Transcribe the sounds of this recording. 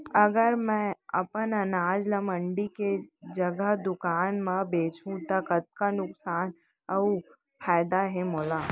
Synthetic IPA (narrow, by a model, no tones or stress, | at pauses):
ɐɡəɾmɛ̃ɐ̰pənɐnaːd͡ʒləməɳɖiked͡ʒəɡəɦd̪ʊkaːnmãbeːt͡ʃũt̪ɐkət̪̚kanʊksaːn | ɐu | fʰaːɪd̪aɦemoːlaː